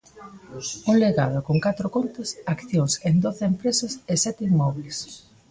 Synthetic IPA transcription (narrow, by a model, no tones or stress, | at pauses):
uŋleɣaðokoŋkat̪ɾʊkont̪ɐsakθjoŋsend̪oθempɾesɐsesɛt̪imːɔβles